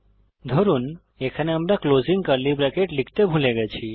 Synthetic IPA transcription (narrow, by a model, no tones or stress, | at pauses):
d̪ʱəɾun | ekʰəneəmɾakloziŋɡkəɾlibɾɛkeʈlik̚ʰt̪ebʱuleɡɛt͡ʃʰi